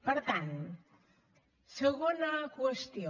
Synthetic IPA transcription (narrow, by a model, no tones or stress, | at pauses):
pəɾt̪an | seɣonakwest̪io